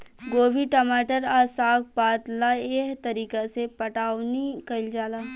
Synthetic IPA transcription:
ɡoːbiʈɐmaːʈəɾaːsaːk̚paːt̪laeːɦt̪ɐɾiːkesepɐʈaːwnikɐld͡ʒaːlaː

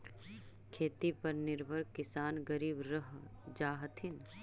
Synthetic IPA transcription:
kʰeːt̪ipɐɾnɪɾbʱəɾkːɪsaːnɡəɾiːbɾəɦ | d͡ʒaːɦət̪ʰɪn

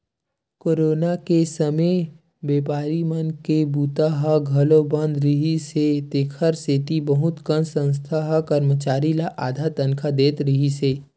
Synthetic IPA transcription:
koːɾoːnakesəme | beːpaːɾimənkebuːt̪aɦəɡʱɐlobə̃nd̪ɾiɦiset̪eːkʰəɾseːt̪ibɐɦʊt̪kənsə̃ns̬t̪ʰaɦəkəɾmət͡ʃaːɾilaʔaːd̪ʱat̪ənkʰad̪eːt̪ɾiɦiseː

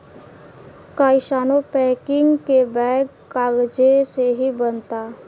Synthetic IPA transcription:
kaːɪʃaːnopɛ̃ːkɪ̃ŋɡkebɛːɡ | aːɡd͡ʒeseɦibənt̪a

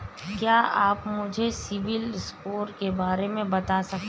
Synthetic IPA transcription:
kjaːʔaːpmʊd͡ʒʱesɪʋɪlskoːɾkebaːɾemẽbɐt̪asɐk̪

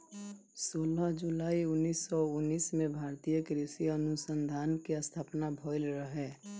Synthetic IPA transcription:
soːləɦd͡ʒulaːiʊnːiːsːɔʊnːiːsmẽbʱaːɾt̪ijəkɾesiənʊsə̃nd̪ʱaːnkeəst̪ʰaːpnabʱɔːɪlɾəɦɛː

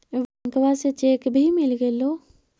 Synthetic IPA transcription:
ʋãŋkʋaset͡ʃeːkbʱimɪlɡeloː

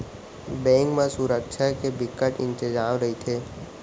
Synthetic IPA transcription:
bɛ̃ːŋkmẽsuɾəkʃʰakebɪkəʈɪ̃nt̪ɪd͡ʒaːmɾəɦit̪ʰeː

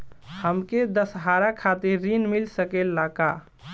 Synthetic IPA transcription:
həmked̪əsɦaɾakʰat̪iɾːinmilsəkelːaka

